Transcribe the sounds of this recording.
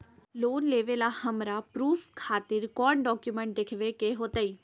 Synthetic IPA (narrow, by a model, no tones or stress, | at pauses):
loːnleʋelahəmɾapɾuːfkʰaːt̪ɪɾkɔːɳɖɔːkjumẽɳʈ̚d̪ekʰʋekeɦot̪əi